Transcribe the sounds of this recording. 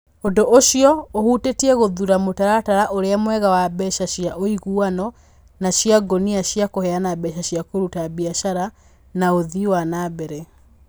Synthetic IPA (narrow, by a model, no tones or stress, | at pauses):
ondoʔoʃiɔohutetiɛɣoðuɾamotaɾataɾaʔoɾeamwɛɣawabɛʃaʃjaʔoiɣuanɔ | naʃjaɡoniaʃjakohɛanabɛʃaɕijakoɾutabiaʃaɾa | naoðiwanabɛɾɛ